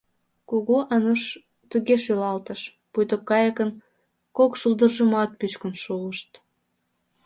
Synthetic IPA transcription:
koɣoʔɑnoʃ | t̪yɣeʃylɑlt̪əʃ | pujt̪okːɑjəkən | kokʃuld̪ərʒəmɑt̪̚pyt͡ɕkənʃuəʃt̪

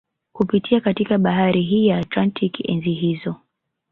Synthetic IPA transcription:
kupitʰiakatikaɓaɦaɾʔiɦiːjaːtlantʰikɛ̰nziɦizɔ

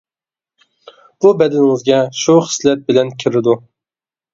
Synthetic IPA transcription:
b̥ubɛd̪ɪnŋɨzɡʲɛʃuχɨ̥slɛt̪̚bɪlɛnkʲʰɪɾɪd̪u

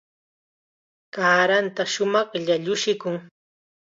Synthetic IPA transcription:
kaːɾant̪aʃʊmɑχʎaʎʊʃɪkʊŋ

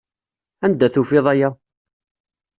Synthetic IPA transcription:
ænd̪æθufɪðˤæjæ

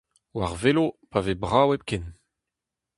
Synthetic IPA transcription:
waʁvelopavebʁawɛp̚kɛn

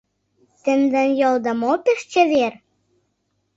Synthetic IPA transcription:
t̪ɘ̆nd̪ə̆njɤld̪ɤ̆mopeʃt͡ɕɘ̆βer

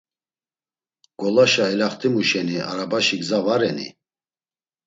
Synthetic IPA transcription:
ɡ̥ɔlaʃaɛlaχt̪ʰimuʃɛniaɾabaʃiɡzavaɾɛnḭ

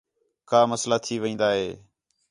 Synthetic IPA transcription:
kaːməslaːt̪ʰiːʋəĩːnd̪aːɦeː

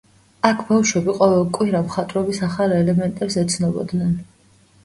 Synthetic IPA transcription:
akʰbafʃwɛbiqʼɔvɛlˠkʼwiɾamχat̪ʼɾɔbisaχalɛlɛmɛnt̪ʼɛbsɛt̪sʰnɔbɔ̰d̪nɛn

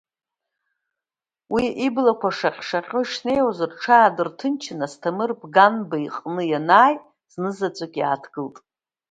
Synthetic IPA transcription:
wiʔiblakʷʰaʂaqʲʼʂaqʲʼʊʂne̞jwazarʈ͡ʂʰaːdɨrtʰɨnt͡ʃʰɪnastʰamɨrbɡanbaiqʼnɨjanaːj | z̥nɨzat͡sʷʼakʲʼia̰ːtʰɡɨltʼ

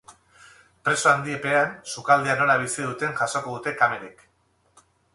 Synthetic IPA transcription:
pɾe̞soand̪iepe̞ansukald̪eano̞laβ̞isiðut̪e̞nʝaso̞ko̞ðut̪e̞kame̞ɾik

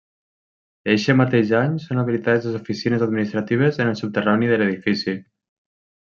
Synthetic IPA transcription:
eʃemat̪eʒaɲsonaβ̞ilit̪aðezlezofisinəzad̪̚minist̪ɾat̪iβ̞ezənəlˠsup̚t̪əraniðələðifisi

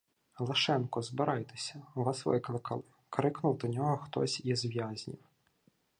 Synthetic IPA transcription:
lˠɐʃɛnkɔzbɪɾɑjt̪e̥sʲɐʋɑsʋɪ̰klˠɪkʰɐlˠɪ | kɾɪknʊwd̪ɔnʲɔɦɔxt̪ɔ̰sʲjɛzʋʲjazʲnʲḭw

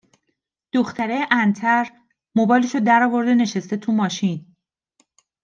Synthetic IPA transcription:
d̪̥oxt̪ʰæɾejʔænt̪ʰæɾ | mobɒːjliʃod̪æɾɒːvo̞ɾd̪e̞ne̞ʃest̪e̞t̪ʰumɒːʃin

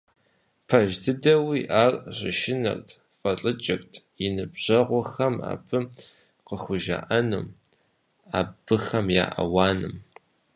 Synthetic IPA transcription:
pʰɐʒdɨdɐwiːʔaːrʼʑʼɪʃɪnɐ̰rtʰ | fʼɐɬʼɨt͡ʃʼɐkʷtʰ | inɨbʑ̥ɐʁʷɔxɐma̰ːb̥ɨ | qəxʷʊʒa̰ʔɐnṵm | aːb̥ɨxɐmja̰ːʔɐ̰wɑːnɨm

